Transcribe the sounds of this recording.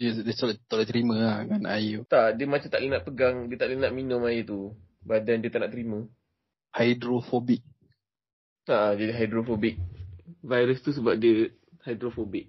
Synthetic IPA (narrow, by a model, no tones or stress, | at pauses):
ədəsolt̪olɛt̪ɾimə̃akanajut̪aʔdiəmat͡ʃat̪aʔlinaʔ̪̚pəɡaŋdiət̪aʔlinaʔ̪̚minʊ̃majit̪u | badandiət̪aʔnaʔt̪əɾimə̃ | hajdɾofobik̚ | aʔd͡ʒadiɦajdɾofobik̚vajɾəst̪us̬əbap̚diə | hajdɾofobɪk̚